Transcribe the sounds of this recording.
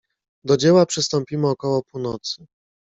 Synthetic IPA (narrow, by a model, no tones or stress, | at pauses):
d̪ɔd͡ʑɛwapʂɘst̪ɔmpʲimɘɔkɔwɔpunɔt̪sɘ